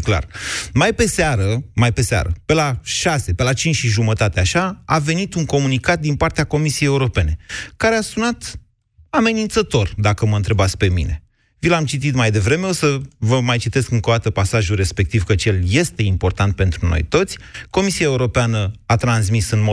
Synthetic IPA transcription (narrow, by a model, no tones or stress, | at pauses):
kla̰rmajpe̞seaɾəmajpe̞sea̰ɾəpe̞laʃase̞pe̞lat͡ʃint͡ʃʃiʒumət̪at̪eaʃaa̰ve̞nit̪uŋko̞munikat̪̚d̪inpart̪eako̞misiejeuɾo̞pe̞ne̞kaɾeasunat̪ | ame̞nint̪sət̪o̞rd̪akəməɨnt̪ɾe̞bat̪sʲpe̞mḭne̞ | vilamt͡ʃit̪̬it̪majd̪e̞vɾe̞me̞o̞səvəmajt͡ʃit̪e̞skɨŋko̞d̪at̪əpasaʒure̞spe̞k̚t̪ivkət͡ʃe̞lje̞st̪e̞impo̞rt̪ant̪̚pe̞nt̪ɾuno̞̰jt̪o̞t̪sʲko̞misiaeuɾo̞peanəat̪ɾansmisɨnmo